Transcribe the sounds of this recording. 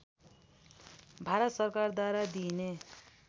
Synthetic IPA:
bʱaɾʌt̪sʌrkard̪waɾad̪ine

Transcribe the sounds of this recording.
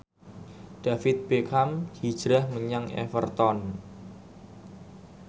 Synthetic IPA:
ɖ̥a̤fɪt̪̚b̥ekʰamhid̥ʒ̥ɾahməɲaŋɛ̰fərt̪ɔn

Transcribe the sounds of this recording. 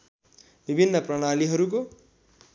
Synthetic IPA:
bibʱinːʌprʌɽ̃aliɦʌɾuk̬o

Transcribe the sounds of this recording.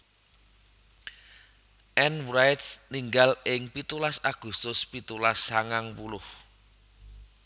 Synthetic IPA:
ʔɛnwɾajt̪niŋɡalɪŋpit̪ulasaɡ̥ṳst̪ʊspit̪ulasːaŋaŋpulʊh

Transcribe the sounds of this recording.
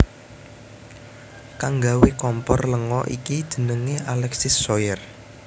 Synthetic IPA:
kaŋɡawekɔmpɔrləŋɔʔḭkidd̪̥ə̤nəŋeʔalɛksɪsːɔjər

